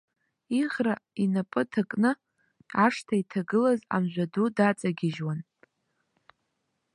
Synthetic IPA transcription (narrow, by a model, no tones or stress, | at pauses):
iʁrainapʼɨtʰakʼnɨ | aʂtʰaitʰaɡɨlaza̰mʒᶣʷadudat͡sʼaɡʲɪʒwan